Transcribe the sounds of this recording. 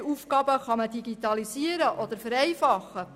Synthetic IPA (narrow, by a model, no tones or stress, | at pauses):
uːfkɑːbəχɑmədiɡit̪ɑlisiəɾəʔɔd̥̪əɾfəɾɛjfɑχːə